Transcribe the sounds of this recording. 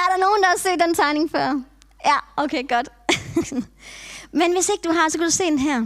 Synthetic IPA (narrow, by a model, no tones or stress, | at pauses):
æɐɾɑ̈no̝ːn̩d̥ɑ̈ɑse̝̰ːd̥ent͡sʰɑ̈ɪne̝ŋfɶɐ̰ | jæʔoʊkʰeːɡ̥ɒ̽d̥ | menʋe̝se̝ɡ̥əd̥uɦɑ̈sɒ̽kʰæd̥use̝̰ːenɦæɐ̰